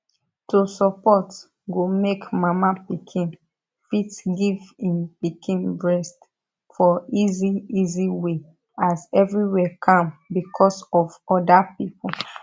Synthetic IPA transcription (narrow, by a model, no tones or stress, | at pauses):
tusɔpɔt | ɡomekmamapikʰĩn | fitɡivĩnpikʰĩnbɹɛst | fɔiziiziwe | azɛvɹiwɛkʰãmbikʰɔsɔvɔdapipɔ